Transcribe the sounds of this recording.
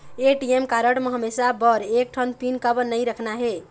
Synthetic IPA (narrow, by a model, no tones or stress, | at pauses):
eʈiemkaɾəʈmeɦəmesabəɾek̚ʈʰənpinkəbənəjɾəkʰnaɦe